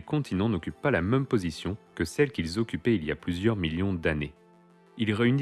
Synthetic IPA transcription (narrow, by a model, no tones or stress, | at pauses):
kɔ̃t̪ʰinɑ̃nɔkʲypːalamɛmpozisjɔ̃kəsɛlkʲilzɔkʲypɛilja̰plyzjœʁmiljɔ̃d̪ane | ilʁeyn